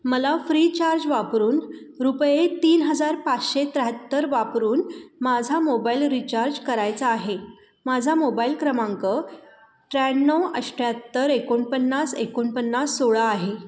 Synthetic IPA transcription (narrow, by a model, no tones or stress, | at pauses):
məlafɾit͡ɕaɾd͡ʑʋapɾuːn | ɾupjet̪iːnɦəd͡zaɾpat͡sɕet̪ɾəɦət̪ːəɾʋapɾuːnmad͡zʱamobailɾit͡ɕaɾd͡ʑkəɾajt͡saːɦe | mad͡zʱamobailkɾəmãŋkə | ʈɾɛnːəwəʂʈjat̪ːəɾekoɳpənːasekoɳpənːasːoɭaːɦe